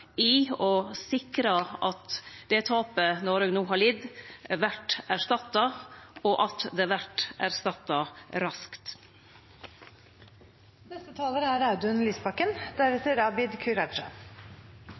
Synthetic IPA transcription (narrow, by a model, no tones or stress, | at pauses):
ɪɔsɪkɾɑʔɑt̪d̪̥ɛt̪ʰɑːpənɔɾøːɡnuːɦɑːɭɪd̪ʋæʈæɾʂt̪ɑt̪ːɑɔʔɑt̪d̪ɛʋæʈʔæɾst̪ɑt̪ːɑɾɑskt̪ | nɛst̪ət̪ʰɑːləɾəæɾɑʉd̪ʉnliːspʰɑkːənd̪æɾʋət̪ʰɪɾɑbɪd̪kʰʉɾɑʃə̰